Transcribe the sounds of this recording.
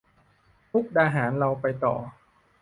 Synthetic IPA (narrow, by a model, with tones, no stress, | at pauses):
p̪ʰu˦˥k̚daː˧ɦaː˩˦nɾa˧wpa˧jt̪ɔ̰ː˨˩